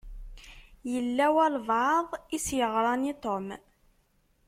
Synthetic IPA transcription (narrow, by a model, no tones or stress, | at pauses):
jəlːæwælˤvʕəðˤisjəʁɾˤɑnit̪ˤom